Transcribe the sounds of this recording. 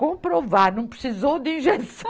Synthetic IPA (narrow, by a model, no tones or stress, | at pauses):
kõpɾovaɾnɐ̃w̃pɾɨsizowd̪ĩʒɛsɐ